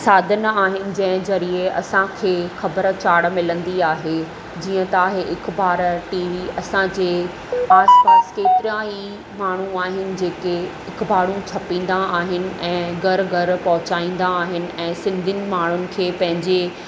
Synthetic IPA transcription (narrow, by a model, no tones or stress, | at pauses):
saːd̪ʱənaːɦɪnɪ̆d͡ʑɐ̃ɦɪ̃zɐɾieɐ̰sãkʰeːxɐbəɾt͡ɕaːɽmɪlə̃nd̪iaːɦe | d͡ʑiːə̃t̪aːɦeʔɪkbaːɾʈiːʋiɐsãd͡ʑeː | aːspaːskeːt̪ɪɾiãɦi | maːɳ̤uaːɦɪnɪ̆d͡ʑeːke | ɪkbaːɽ̤ũt͡ɕʰɐpĩːn̆d̪aaːɦɪnɪ̆ɛ̃ːɡʱɐɾɡʱɐɾpɐɦʊt͡ɕaːĩːn̆d̪aːɦɪnɪ̆ɛ̃ːsɪ̃nd̪ʱɪnɪ̆maːɳ̤ʊnɪ̆kʰeːpɐ̃ɦɪ̃ɲd͡ʑe